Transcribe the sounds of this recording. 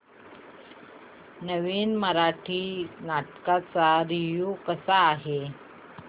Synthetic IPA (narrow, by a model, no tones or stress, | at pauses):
nəʋiːnməɾaʈʰiːnaʈkat͡saɾiʋjukəsaːɦe